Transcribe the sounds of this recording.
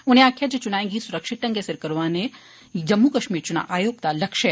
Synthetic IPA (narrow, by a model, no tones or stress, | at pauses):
ʊnẽaːkʰjad͡ʒet͡ʃʊnaːẽːŋɡisʊɾəkʃɪʈ̪ɐ̃ŋɡesɪɾkɐɾʋaːne | d͡ʒɐmːukɐʃmiːɾt͡ʃʊna̰ʔaːjoːɡ̚t̪alɐkʃe